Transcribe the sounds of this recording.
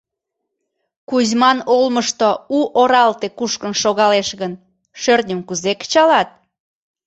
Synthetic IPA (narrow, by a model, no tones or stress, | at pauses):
kuzmɑnolməʃt̪ouʔoɾɑlt̪ekuʃkənʃoɣɑleʃɣən | ʃørnʲə̆mkuzekt͡ɕɑlɑt̪̚